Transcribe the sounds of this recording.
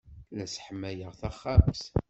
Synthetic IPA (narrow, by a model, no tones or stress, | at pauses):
læsħəmːæjəʁθæχːamθ